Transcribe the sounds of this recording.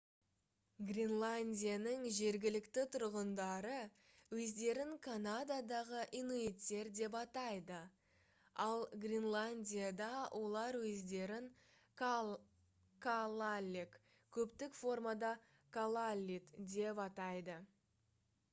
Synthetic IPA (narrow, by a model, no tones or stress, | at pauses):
ɡrʲinlˠanʲdʲijanəŋʒe̞ɾɡʲɪlɪkt̪ɪt̪ʰʊɾʁənd̪ɑɾə | wɵzd̪e̞ɾɪŋkʰanad̪ad̪ɑʁəʔinuit̪ːe̞ɾd̪e̞pɑt̪ɑjd̪ə | ɑlˠɡrʲinlˠanʲdʲijad̪ɑwʔo̞lˠɑɾwɵzd̪e̞ɾɪŋ | kʰalˠalʲːik | kʲʰɵpt̪ɪkfo̞rmad̪ɑ | kʰalˠalʲːit̪d̪e̞pɑt̪ɑjd̪ə